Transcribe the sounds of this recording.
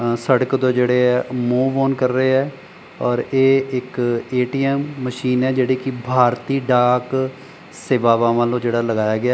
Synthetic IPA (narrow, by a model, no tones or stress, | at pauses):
səɽəkd̪õːd͡ʒeːɽeːɛːmuːʋoːnkəɾːəeːɛː | ɔːɾeːɪkeːʈiːɛːmːəʃiːnɛːd͡ʒeːɽeːkɪbʱaːɾt̪iːɖaːk | seːʋaːʋãːʋãːlõːd͡ʒeːɽaːləɡaːjaːɡɪaː